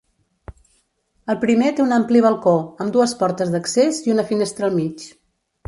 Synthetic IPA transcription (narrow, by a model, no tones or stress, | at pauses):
əlˠpɾimet̪eunampliβəlˠkoəmd̪uəspɔɾt̪əzðəkseziunəfinest̪ɾəlˠmit͡ʃ